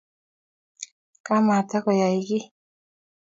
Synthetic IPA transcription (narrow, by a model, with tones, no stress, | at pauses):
ka˦ma˨t̪a˦kɔ˨ja˨i˨ɡi˦